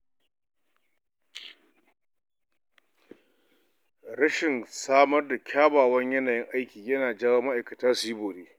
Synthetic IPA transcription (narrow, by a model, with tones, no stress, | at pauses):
ɾɐ˦ʃɪ˨nsaː˦mɐ˦rda˨kʲʰaː˦baː˨wɐ˦ɲjɐ˦naː˨jɪ˦ŋʔa˦jkʲiː˨jɐ˦naː˨d͡ʒaː˦wɐː˦mɐ˦ʔa˨jkɐ˨taː˦si˦boː˨ɾeː˦